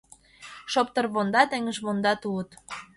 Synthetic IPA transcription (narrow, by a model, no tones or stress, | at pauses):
ʃop̚t̪ərβond̪ɑt̪ĕŋəʒβond̪ɑt̪uət̪